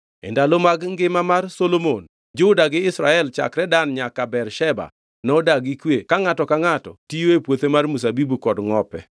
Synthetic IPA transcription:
ḛndalomaɡŋɡɪmamarsolomon | d͡ʒʊdaɡɪɪsɾaɛlt͡ʃa̰kɾɛdanɲakabɛrʃɛba̰ | nɔdaɡikwekaŋatɔkaŋatɔ̰tijoepwot̪emarmusabibukɔdŋɔpɛ

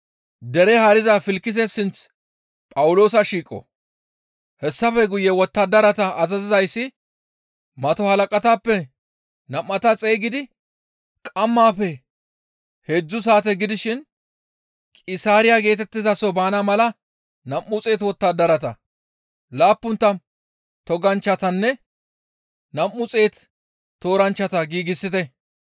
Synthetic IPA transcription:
d̪ɛɾɛhɐɾɪzafɪlkːɪzɛsɪnt͡s | pʼɐwʊlo̞ːs̬ɐʃiːkʼːɔ̰ | hɛsːɐfɛɡʊjɛwɔt̪ːɐd̪ɐɾɐt̪ɐʔːzɐzɪzɐjsːɪ | mɐt̪ɔhɐlɐkʼɐt̪aːpːɛ | nɐmːɐt̪ɐt͡sʼejɡɪd̪ɪ | kʼɐmːaːfɛ | hed͡ʒːʊs̬aːt̪ɛɡɪd̪ɪʃɪn | kʼɪsaːɾɪjaɡe̞ːt̪ɛt̪ːɪzɐsɔbaːnɐmɐlɐ | nɐmːʊt͡sʼeːt̪wɔt̪ːad̪ɐɾɐt̪ɐ̰ | laːpːʊnt̪ːɐn | t̪ɔɡɐnt͡ʃːɐt̪ɐnːɛ | nɐmːʊt͡sʼe̞ːt̪ | t̪ːo̞ːɾɐnt͡ʃːɐt̪ɐɡiːɡɪsːɪt̪ɛ

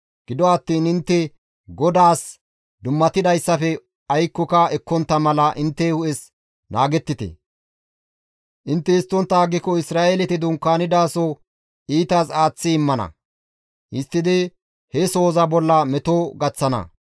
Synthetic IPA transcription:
ɡ̥ɪd̪ɔɐt̪ːiːnɪnt̪ːɛ | ɡɔd̪aːs | d̪ʊmːɐt̪ɪd̪ɐjsːɐfɛ | ɐjkːɔkɐɛkːɔnt̪ːɐmɐlɐʔɪnt̪ːɛhʊʔɛs | naːɡɛt̪ːɪt̪ɛ̰ | ʔɪnt̪ːɛɪst̪ːɔnt̪ːaːɡːɪkːɔɪsɾaːelɛt̪ɪd̪ʊŋkːaːnɪd̪aːsɔ | ʔiːt̪aːsaːt͡sːɪɪmːɐnɐ̰ | ʔɪst̪ːɪd̪ɪ | hɛso̞ːzɐbɔlːɐmɛt̪oɡɐt͡sːɐnɐ̰

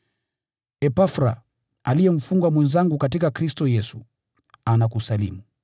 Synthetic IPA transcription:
ɛpafɾa̰ | alijɛm̩fuŋɡwamwɛnzaŋɡukatikakɾistɔjɛsu | anakusalḭmu

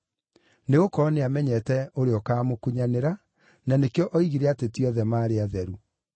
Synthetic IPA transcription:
neɣokɔneamɛɲɛtɛoɾeɔkaːmokuɲaneɾa | nanekeɔʔɔiɣiɾɛatetjɔðɛmaːɾeaðɛɾu

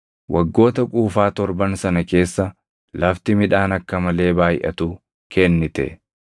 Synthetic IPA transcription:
wʔɐɡːo̞ːt̪ɐkʼuːfaːt̪ɔɾbɐnsɐnɐke̞ːsːɐ | lɐft̪ɪmɪᶑaːnɐkːɐmɐle̞ːbaːjʔɐ̰t̪u | kʰɛnːɪt̪ɛ̰

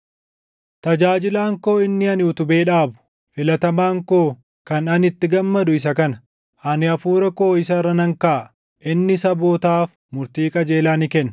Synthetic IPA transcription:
t̪ɐd͡ʒaːd͡ʒɪlaːŋko̞ːɪnːɪɐnɪʊt̪ʊbe̞ːᶑaːbʊ̥ | fɪlɐt̪ɐmaːŋko̞ː | kɐnɐnɪt̪ːɪɡɐmːɐd̪ʊɪs̬ɐkɐnɐ | ʔɐnɪɐfuːɾɐko̞ːɪsɐrːɐnɐŋkaː | ʔɪnːɪsɐbo̞ːt̪aːf | mʊɾt̪iːkʼɐd͡ʒe̞ːlaːnɪkɛnː

